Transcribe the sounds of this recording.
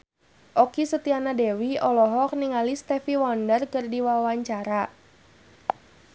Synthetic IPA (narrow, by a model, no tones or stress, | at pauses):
ʔɔkisət̪ianadɛwiɔlɔɦɔk̚niŋalist̪ɛfiwɔndərkərdiwawaɲt͡ʃaɾa